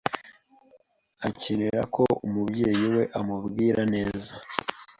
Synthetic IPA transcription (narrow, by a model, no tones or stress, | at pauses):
acineɾa̰kʰo̞umubɟe̞ːjiwe̞ʔamubɡiːɾʔane̞ːza